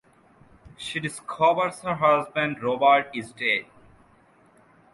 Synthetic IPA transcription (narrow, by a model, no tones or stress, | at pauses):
ʃiɖɪskʰɔʋəɾshəɾɦʌzbə̃ɳɖɾoːbəɾʈizʈeːɖ